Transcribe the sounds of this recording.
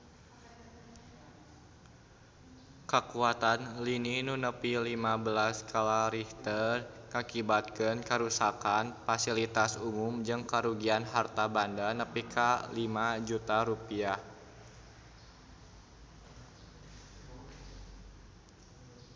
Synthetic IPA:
kəkuat̪anlininunəpilimabəlaskʰalaɾiht̪ərŋakibat̪̚kənkəɾusakanfasilit̪asumumd͡ʒɨŋkəɾuɡianɦart̪abandanəpikʰalimad͡ʒut̪aɾupiah

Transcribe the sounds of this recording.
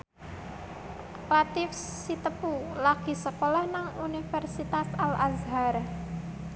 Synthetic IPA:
pat̪ɪfsit̪əpulaɡ̥i̤səkolahnaŋunifɛrsit̪asalʔazɦaɾ

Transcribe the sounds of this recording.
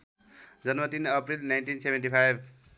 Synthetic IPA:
d͡zʌnmat̪inʌpɾilnajnʈinsebʱenʈipʰajb̚ʱ

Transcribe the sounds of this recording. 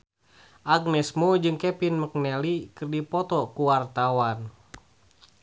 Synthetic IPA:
ʔaɡ̚nɛsmud͡ʒɨŋkɛpinmək̚nɛlikɨrdipɔt̪ɔkuwart̪awan

